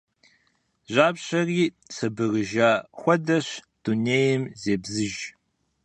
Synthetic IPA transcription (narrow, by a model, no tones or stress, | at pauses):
ʑʷaːbɕɐriː | sɐbɨrɨʒaːxʷɔdɐɕ | d̥uneːjɪmzeːbzɨʒ